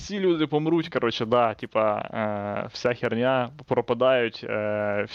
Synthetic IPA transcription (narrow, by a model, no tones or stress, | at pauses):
fsʲilʲud̪ɪpɔmɾutʲkɐɾot͡ʃɛd̪ɑtʲipɐ | w̥sʲaxʲirnʲapɾɔpɐd̪ɑjʊtʲː